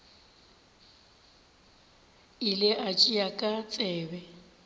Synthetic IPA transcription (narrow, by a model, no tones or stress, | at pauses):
ɪlɪʔat͡ʃʼijakʼat͡sʼɛːbɛ